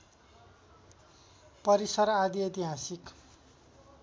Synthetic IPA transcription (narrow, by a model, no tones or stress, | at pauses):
pʌɾisʌɾad̪iet̪iɦasik